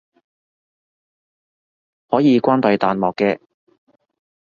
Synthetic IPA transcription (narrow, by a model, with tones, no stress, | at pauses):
hɔː˨˥jiː˨˧kʷaː˥npɐ˨˧jt̪aː˨˧nmɔː˨kːɛː˧